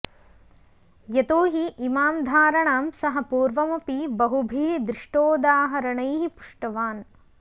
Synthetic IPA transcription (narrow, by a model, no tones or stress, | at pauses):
jɐt̪oːɦiʔimaːmd̪ʱaːɾɐɳaːmsɐɦɐpuːɾʋɐmɐpibɐɦubʱeːd̪ɾiʂʈoːd̪aːɦɐɾɐɳɐjɦipu̥ʂʈɐʋaːn